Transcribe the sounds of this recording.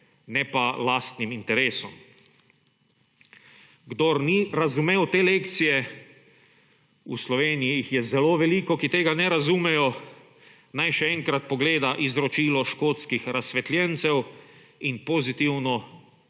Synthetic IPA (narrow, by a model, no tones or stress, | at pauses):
nɛpalaːst̪nimint̪ɛɾeːsɔ̰m | ɡd̪oɾniɾazumeːwt̪eːleːkt̪sijɛ | ṵslɔʋeːnijiixjɛzɛloːʋɛlikɔkit̪eːɡanɛɾazumɛjɔ | najʃɛɛŋkɾat̪̚pɔɡleːd̪aʔizɾɔt͡ʃiːlɔʃkoːt̪skixɾasʋɛt̪ljɛnt̪sɛw | inpozit̪iwnɔ